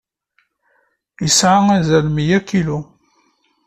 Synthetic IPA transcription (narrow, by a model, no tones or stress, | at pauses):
isʕaŋæzælmijækilu